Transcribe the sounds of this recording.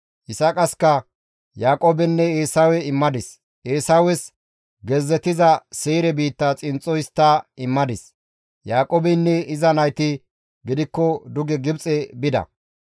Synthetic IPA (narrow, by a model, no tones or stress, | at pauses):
hɪsɐkʼɐskɐ | jaːkʼoːbɛnːɛeːsawɛɪmːɐd̪ɪs | eːsawɛs | ɡɛzːɛt̪ːɪzɐseːɾɛbiːt̪ːɐt͡sʼɪnt͡sʼːɔjst̪ːɐɪmːɐd̪ɪs | jaːkʼoːbɛnːɛɪzɐnɐjt̪ɪ | ɡɪd̪ɪkːɔd̪ʊɡɛɡɪbt͡sʼɛbɪd̪ɐ̰